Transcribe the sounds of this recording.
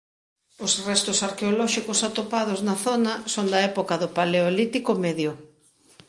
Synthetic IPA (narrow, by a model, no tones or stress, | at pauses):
osrɛst̪ʊsaɾkeolɔʃikosat̪opað̞oznɐθɔnɐsoŋd̪ɐɛpokɐðʊpaleolit̪ikomɛðjʊ